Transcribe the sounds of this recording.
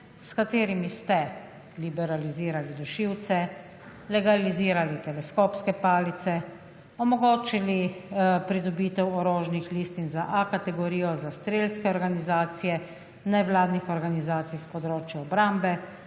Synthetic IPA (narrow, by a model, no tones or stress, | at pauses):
skat̪eːɾimist̪ɛ | libɛɾaliziːɾalid̪ɔʃiwt̪sɛ | lɛɡaliziːɾalit̪ɛlɛskoːpskɛpaːlit̪sɛ | ɔmɔɡoːt͡ʃilipɾid̪ɔbiːt̪ɛwɔɾoːʒnixliːst̪inzaʔakat̪ɛɡɔɾiːjɔzast̪ɾeːlskɛɔɾɡanizaːt̪sijɛ | nɛʋlaːd̪nixɔɾɡanizaːt̪sijspɔd̪ɾoːt͡ʃjaɔbɾambɛ